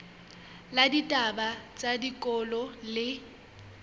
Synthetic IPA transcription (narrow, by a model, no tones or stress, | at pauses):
laditʼabat͡sʼadikʼɔlɔlɪ